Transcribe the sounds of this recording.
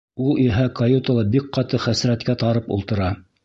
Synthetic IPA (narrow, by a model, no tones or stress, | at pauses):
ulˠiɦækɐjut̪alˠɑbik̚qɑt̪ɤχæsɾæt̪kæt̪ɑɾɤpṵlˠt̪ɤ̆ɾɑ